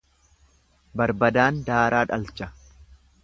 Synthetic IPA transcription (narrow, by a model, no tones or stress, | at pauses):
bɐɾbɐd̪aːnd̪aːɾaːᶑɐlt͡ʃɐ